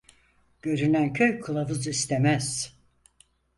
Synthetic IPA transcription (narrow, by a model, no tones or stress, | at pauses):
ɟ̥øɾynæncʰøjkʰɯlˠavɯzist̪ʰemæz̥